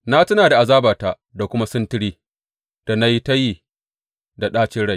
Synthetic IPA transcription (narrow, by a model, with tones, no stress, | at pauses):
na˦tɐ˦naː˨da˨ʔa˨zaː˦baː˨taː˨ | da˨kʷʊ˦ma˦sɪ˦ntɪ˦ɽiː˦ | d̥a˨na˦ji˦ta˦jiː˨ | da˨ɗaː˦t͡ʃɪ˦ɽa˦˨j